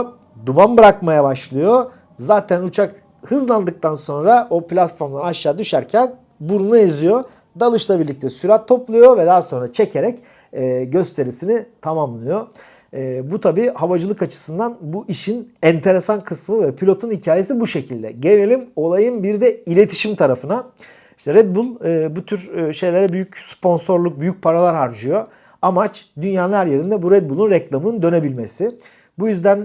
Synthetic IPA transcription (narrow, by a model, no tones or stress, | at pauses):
d̪ubanbɯɾakmajabaʃlˠɯjo | zaːt̪ʰænut͡ʃʰak | hɯzlˠand̪ɯk̚t̪ʰanso̞nɾaʔo̞plʲat̪fo̞ɾmd̪ˠanaʃːaːd̪yʃæɾcʰæn | buɾunuezijo̞ | d̪alˠɯʃlˠabiɾlʲic̚t̪ʰɛsyɾat̪ʰːo̞plˠujo̞vɛd̪aɦso̞nɾat͡ʃʰe̞cʰe̞ɾɛcː | ɟø̞st̪ʰe̞ɾisinit̪ʰamamlˠɯjo | but̪ʰabiːhavad͡ʒɯlˠɯkat͡ʃʰɯ̥sɯnd̪anbuʔiʃinænt̪ʰe̞ɾesankʰɯsmɯvɛpʰilʲo̞t̪ʰunhicʰaːje̞sibuʃe̞cʰilʲd̪ɛ̰ɟe̞nelʲimo̞lˠajɯmbiɾd̪ɛilʲe̞t̪ʰi̥ʃimt̪ʰaɾafɯna | i̥ʃt̪ɛɾɛd̪̚bulˠɯːbut̪ʰyɾʃe̞jlʲe̞ɾɛbyjycspʰo̞nso̞ɾlˠuk̚byjyc̚pʰaɾalˠaɾɦaɾd͡ʒɯjo̞ | amat͡ʃd̪ynjaːlˠaɾje̞ɾind̪ɛbuɾɛd̪̚bulˠunɾɛklˠamɯnɯnd̪ø̞ne̞bilʲme̞sɪ | bujyzd̪æn